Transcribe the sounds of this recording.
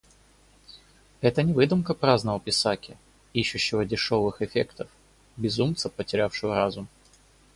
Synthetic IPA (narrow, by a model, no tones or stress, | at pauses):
ɛt̪ənʲɪvɨd̪ʊmkəpɾaznəvəpʲɪsakʲɪ | iɕːʊɕːɪvədʲɪʂo̞vɨxɪfʲḛkt̪əf | bʲɪzumt̪səpətʲɪɾʲafʂɨvəɾazʊm